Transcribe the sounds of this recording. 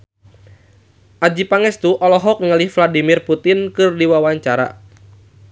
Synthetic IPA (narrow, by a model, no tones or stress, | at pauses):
ʔad͡ʒipaŋɛst̪uʔɔlɔɦɔk̚ŋəlɪhfladimirput̪ɪnkɨrdiwawaɲt͡ʃaɾa̰